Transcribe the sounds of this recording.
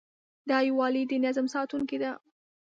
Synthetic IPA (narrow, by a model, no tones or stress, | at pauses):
d̪ɑjewɑlid̪ənazmsɑt̪uŋked̪a